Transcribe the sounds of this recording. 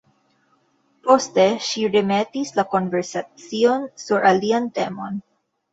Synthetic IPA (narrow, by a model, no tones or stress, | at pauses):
po̞ste̞ʃiɾeme̞tislako̞nveɾsat͡sio̞nsuɾaliante̞mo̞̰n